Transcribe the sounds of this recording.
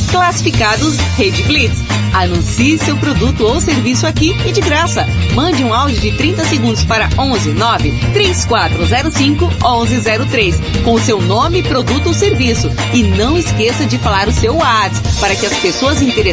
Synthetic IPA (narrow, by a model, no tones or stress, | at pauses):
klasifikad̪ʊshed͡ʒɪflit̪s | anũsiɪsewpɾod̪ut̪ʊowseɾvisʊakiɪd͡ʒɪɡɾasɐ | mɐ̃d͡ʒɪũawd͡ʒɪʊd͡ʒɪt̪ɾĩnt̪ɐseɡũnd̪ʊspaɾɐõzɪnɔvɪ | t̪ɾejskwat̪ɾʊzɛɾʊsĩkʊ | õzɪzɛɾʊt̪ɾeskõʊsewnõmɪpɾod̪ut̪ʊowseɾvisʊ | ɪnɐ̃w̃ɪskesɐd͡ʒɪfalaɾʊsewaɾt̪spaɾɐkɪɐspesoɐzĩt̪eɾe